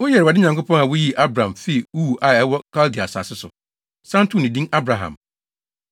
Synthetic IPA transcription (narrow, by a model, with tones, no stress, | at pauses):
wʊ˦jɛ˨ɾa˨dɪ˦ɲã˨ŋkʊ˦pʰɔ̃˦ŋa˨wʊ˦ji˦ʔa˦bɾã˨mfi˦˨u˦˨ʔa˨ɛ˦wɔ˦kʰa˦ldi˨a˨sa̰˨sɪ˦sʊ̰˨ | sã˦n˦tʰũ˦˨nɪ̃˨dĩ˦ŋa˦bɾa˨ɦã̰˨m